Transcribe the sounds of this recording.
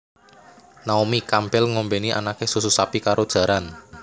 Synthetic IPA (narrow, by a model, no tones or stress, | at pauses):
naomikampɛlŋɔmbeniʔa̰nakesususapikaɾʔod̥ʒ̥ä̤ɾan